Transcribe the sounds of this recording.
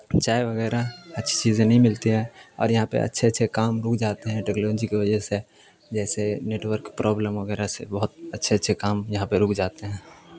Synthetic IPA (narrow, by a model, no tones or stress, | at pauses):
t͡ʃaːeʋəɡɛːɾaətːʃʰi̥t͡ʃiːzẽnəɦĩmɪlt̪iɦɛ̃ːɔ̰ːɾjɐɦãpḛə̰tːʃʰeətːʃʰekaːmɾʊkʰd͡ʒaːt̪eɦɛ̃ʈeknoːd͡ʒikeʋəd͡ʒəɦse | d͡ʒɛːseneːʈwəɾkpɾʔɔːbləmʋəɡɛːɾasḛbəɦʊt̪̚ətːʃʰeətːʃʰekaːmjɐɦãpeɾʊːkʰd͡ʒaːt̪eɦɛ̃ː